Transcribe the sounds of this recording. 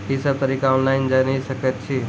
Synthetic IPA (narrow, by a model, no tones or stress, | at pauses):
ɦisəb̚t̪ɐɾikaɔːnlaɪnd͡ʒanəisɐkət̪̚t͡ʃʰi